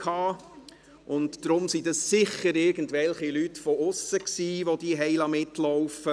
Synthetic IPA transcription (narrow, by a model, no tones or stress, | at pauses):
kʰɑː | ʔʊntd̥ɾʊmsidɑssɪχəɾɪɾɡ̥ən̩tʋɛlχilytfɔʊsəksiːʋod̥iɦɛɪlɑmɪtlɔʊfə